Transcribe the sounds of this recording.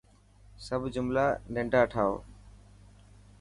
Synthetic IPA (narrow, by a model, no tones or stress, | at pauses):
səbʱd͡ʒʊmlaːnẽɳɖaːʈʰaːo̰ː